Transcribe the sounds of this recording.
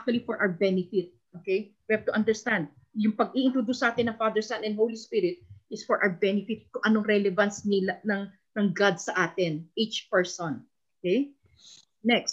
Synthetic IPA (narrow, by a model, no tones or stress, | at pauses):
ʔak̚t̪wɐlifɔɹʔawbɛnɪfɪt̪̚ʔokejwihav̚t̪ʊʔɐ̃nd̪ɛɹst̪ãnd̪̚ | jʊŋpɐɡ̚iʔɪnt̪ɾod̪usːɐʔaːt̪ɪnːɐŋfad̪ɛɹsanɛ̃n̚howlispɪɾɪt̪̚ʔɪsfɔɹʔa̰wbɛnɪfɪt̪̚kʊŋʔɐnoŋɾɛlɛvɐnsnɪlanɐŋ | nɐŋɡad̪̚sɐʔaːt̪ɪnʔit͡ʃpɛɹsõn | okej | nɛkst̪̚